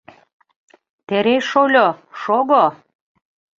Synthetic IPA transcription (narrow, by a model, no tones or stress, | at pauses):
t̪eɾeʃolʲoʃoɡo